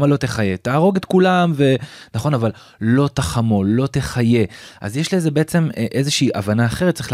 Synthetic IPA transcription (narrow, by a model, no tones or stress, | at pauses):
malo̞te̞χaje̞t̪aːʁo̞ɡet̪kulamve̞naχo̞naval | lo̞t̪aχamo̞lo̞t̪e̞χaje̞a̰zjeʃlezebeet͡se̞mʔezeʃiːʔavanaːχe̞ʁt̪̚t͡saʁeχl